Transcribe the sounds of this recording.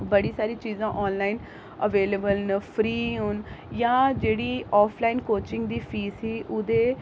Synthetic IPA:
bəɽiːsaːɾiːt͡ʃiːzãːʔɔːnlaːin | əʋeːləbəlnəpʰɾiːʊnjãːd͡ʒeːɽiːɔːpʰlaːinkoːt͡ʃɪŋɡd̪iːpʰiːsiːʔʊd̪eː

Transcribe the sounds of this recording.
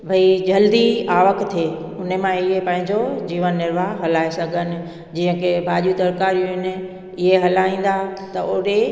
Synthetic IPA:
bʱɐid͡ʑɐld̪iaːʋəkt̪ʰeː | ʊnemãɪɦepɐ̃ɦɪ̃ɲd͡ʑod͡ʑiːʋənːɪɾʋaːɦɦɐlaːesɐɡʱənɪ̆ | d͡ʑĩːə̃kʰebʱaːʄijud̪ɐɾkaːɾijũɦɪnɪ̆ | ɪɦeɦɐlaːĩːn̆d̪at̪ɐʔʊɗe

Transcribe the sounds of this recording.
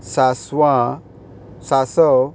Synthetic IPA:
saswã | sasɔ

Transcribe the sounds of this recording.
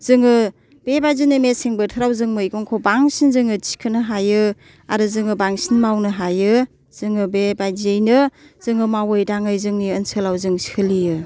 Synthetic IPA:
z̥ɯŋɯ | b̥ebajzɯjnɯmeseŋbɯtʰəɾawzɯŋmɯjkoŋkʰobaŋsinzɯŋɯti̥kʰɯnɯɦajɯ | aɾɯzɯŋɯbaŋsinmawnɯɦajɯ | z̥ɯŋɯbebajzɯjnɯ | z̥ɯŋɯmawɯjdaŋɯjzɯŋniənsɯlawzɯŋsi̥kʰɯlijɯ

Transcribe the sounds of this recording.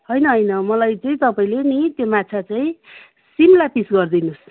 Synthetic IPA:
ɦʌjnʌɦʌjnʌmʌlajt͡saĩt̪ʌpaĩlenit̪jomat͡sʰat͡saĩ | simlapisɡʌrd̪inus

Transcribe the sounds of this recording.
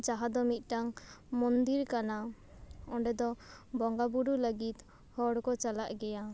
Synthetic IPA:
d͡ʒaɦad̪ɔmit̪̚ˀʈaŋmɔnd̪iɾkana | ɔɳɖɛd̪ɔbɔŋɡabuɽuləɡit̪ | hɔɽkɔt͡ʃalaʔɡɛja

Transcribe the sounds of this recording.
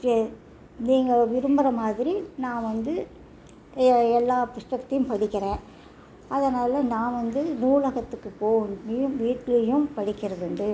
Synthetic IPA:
niːŋɡɐʋɪɾɯmbɐɾɐmaːðɪɾinãːʋɐnd̪ɯ | ɛlːaːpʊʂʈɐt̪ːɐjʊ̃mpɐɽɪkːɪɾẽː | ɐðɐnaːlɐnãːʋɐnd̪ɯnuːɭɐɣɐt̪ːɯkːɯpoːnɪjʊ̃ʋiːʈːlɐjʊ̃mpɐɽɪkːɪɾɐðɯnd̪ɯ

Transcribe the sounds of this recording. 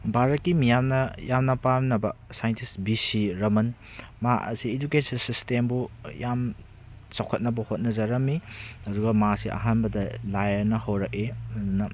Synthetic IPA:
bʱaɾɐt̚kːimijamnɐjamnɐpamnɐbɐsajentʰisbisiɾɐmɐn | maʔɐ̰sied͡ʒukesinsistembujam | sawkʰɐt̚nɐbɐhot̚nɐzɐɾɐmːihɐduɡɐmasiʔɐ̰ɦanbɐdɐlajɐɾnɐhɐwɾɐk̚emɐdunːɐ

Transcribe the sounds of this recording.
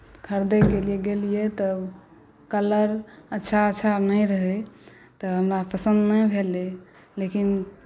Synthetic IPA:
kʰəɾd̪əkelieɡelijet̪ɔ | kələɾətːʃʰaətːʃʰanəjɾəɦɛ | t̪ɔɦəmɾapəsə̃nd̪nəjbʱele | lekin

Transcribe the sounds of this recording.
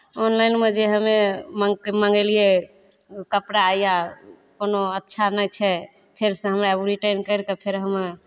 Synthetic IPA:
onlajnmed͡ʒeɦəmeməkeməŋɡelie | kəpɾaːjja | konoətːʃʰanəjt͡ʃʰɛ | pʰeɾsẽɦəmɾaebuɾiʈəjnkəjɾkəpʰeɾɦəm

